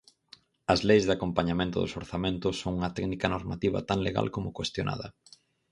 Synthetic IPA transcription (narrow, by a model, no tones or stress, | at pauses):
ɐzlejzðakompaɲamẽnt̪ʊðo̰soɾθamẽnt̪ʊsːoŋuŋɐt̪ɛknikɐnoɾmat̪iβɐ̰t̪aŋleɣa̰lkomʊkwest̪jonʔa̰ðɐ̰